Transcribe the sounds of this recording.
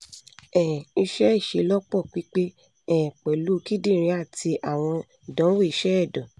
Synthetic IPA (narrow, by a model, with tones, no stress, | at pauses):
ɛ̃˨i˧ʃɛ˦i˦˨ʃe˨˧lɔ˦k͡pɔ˦˨k͡pi˦k͡pe˦ | ɛ̃˦˨k͡pɛ˨lu˨˦˧ki˦dĩ˦˨ɾ̃ĩ˧˦a˦˨ti˧ʔa˦˨w̃ɔ̃˧˨ | dɔ̃˨˦we˦˨i˧ʃɛ˦ɛ˦˨dɔ̃˨